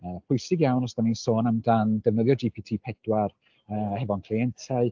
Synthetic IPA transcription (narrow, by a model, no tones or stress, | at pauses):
əːpʰʊjsɪɡjawnɔsd̥anisoːnəmdandɛvnəðjɔd͡ʒipʰitʰiːpʰɛd̥war | əːhɛvɔnkʰl̥iɛntʰaɨ